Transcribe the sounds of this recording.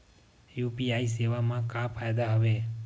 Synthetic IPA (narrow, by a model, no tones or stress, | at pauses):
jupiais̬eʋamãkafʰajd̪aɦəʋe